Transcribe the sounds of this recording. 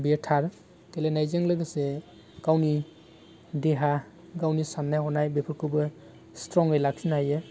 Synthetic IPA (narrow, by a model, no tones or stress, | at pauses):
beɾtʰaɾ | kelenajzeŋlɯɡɯse | ɡ̥awni | deɦa | ɡawnisanːajhɔnajbepʰɔɾkʰubɯ | stɾɔŋɯjlaksinajɯ